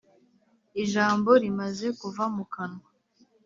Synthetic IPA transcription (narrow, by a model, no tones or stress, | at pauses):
iʒaːmbo̞ɾimaze̞kuvamukana